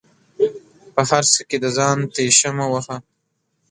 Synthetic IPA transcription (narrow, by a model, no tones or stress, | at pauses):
pəhaɾsəked̪əzɑːnt̪eʃamawaxa